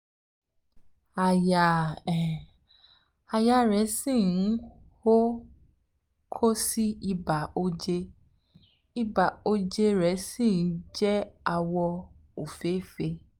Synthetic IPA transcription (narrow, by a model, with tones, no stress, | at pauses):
a˨ja˨ | a˨ja˨˧ɾɛ˨˦sĩ˦˨˦ | ho˦ | kʰo˦si˦i˧ba˨o˧d͡ʒe˧ | i˧ba˨o˧d͡ʒe˧ɾɛ˨˦sĩ˦˨n̩˨˦d͡ʒɛ˦a˧wɔ˧ | o˨fe˨˦fe˧